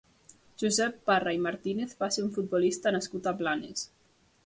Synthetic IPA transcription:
ʒuzɛpːaraimaɾt̪ineθβaseɾuɱfut̪̚bɔlist̪anaskut̪aplanḛs

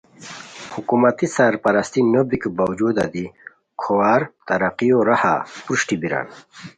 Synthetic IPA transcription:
hukumat̪isaɾpaɾast̪inobikbawd͡ʑud̪a̰d̪i | kʰowaːɾt̪ɐɾaqijoɾaha̰pɾuʂʈibiɾa̰ːn

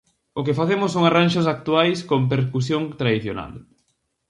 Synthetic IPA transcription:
ʊkefaθemʊsːoŋaranʃʊs̬ak̚t̪uajskomp̬eɾkusjoŋt̪ɾaðiθjona̰l

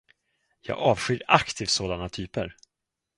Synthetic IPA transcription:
jɑ̰ːɡɑːvɧyɾakt̪ʰiːvsoːd̪anat̪ʰyːpəɾ

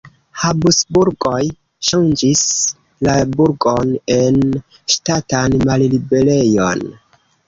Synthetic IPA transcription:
habusbuɾɡo̞j | ʃand͡ʒis | labuɾɡo̞ne̞n | ʃtatanmallibe̞le̞jo̞̰n

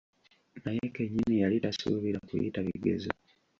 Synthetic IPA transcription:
najekeɲːinijalitasuβiɾakṵjḭtaβiɡe̞̰zo̰

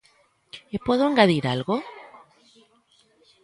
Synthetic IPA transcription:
epweðoeŋɡaðiɾalɣo

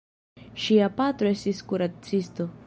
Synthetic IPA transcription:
ʃiapatɾo̞e̞stiskuɾat͡sisto̞

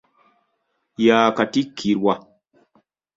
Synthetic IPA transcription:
jaːkatikʰːiɾwa

